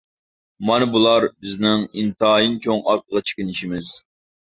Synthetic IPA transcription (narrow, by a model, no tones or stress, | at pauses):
mɑnɨbulˠɑɾbɪznɪŋint̪ɑjint͡ʃʰoŋɑɾ̚qʰəʁɑt͡ʃʰe̥kʲinɪʃimɪz